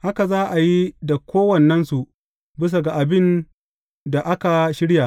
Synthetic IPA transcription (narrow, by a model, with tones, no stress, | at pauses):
ha˦ka˨zaː˦ʔa˨ji˦da˨kʷoː˦wɐ˨nːɐ˦nsu˨ʔ | bɪ˦s̬a˨ɡa˨ʔa˨bɪ˦n | da˨ʔa˦ka˨ʃɪ˦ɽja˨